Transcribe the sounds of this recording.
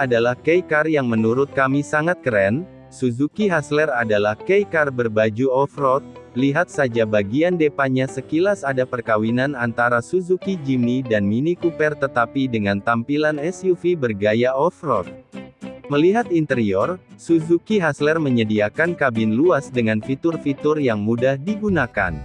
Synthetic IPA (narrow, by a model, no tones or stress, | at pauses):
adalahkɛjkarjaŋmənuɾʊt̪̚kamisaŋat̪̚kəɾɛn | suzukiɦaslɛradalahkejkarbərbad͡ʒuɔfrɔt̪̚liɦat̪̚sad͡ʒabaɡiandepaɲasəkilasadapərkawinanant̪aɾasuzukid͡ʒimnidanminikupɛrt̪ət̪apidəŋant̪ampilanɛsjufibərɡajaɔfrɔt̪̚məliɦat̪int̪əɾiɔrsuzukiɦaslɛrməɲədiakankabɪnluasdəŋanfit̪ʊrfit̪ʊrjaŋmudahdiɡunaka̰n